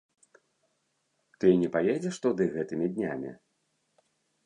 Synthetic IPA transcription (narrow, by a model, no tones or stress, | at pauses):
t̪ɨnʲɛpajɛd͡zʲɛʂt̪ud̪ɨɣɛt̪ɨmʲid̪ʲnʲa̰mʲḭ